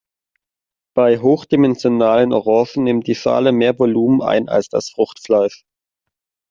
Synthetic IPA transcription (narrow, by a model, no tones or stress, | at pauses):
b̥aɪɦoːxd̥imɛnzjonaːlənʔoʁɔːʃn̩nɪmt̚d̥iːʃa̰ːləmeːɐvoluːməna̰ɪna̰lsd̥a̰sfʁ̥ʊxtflaɪʃ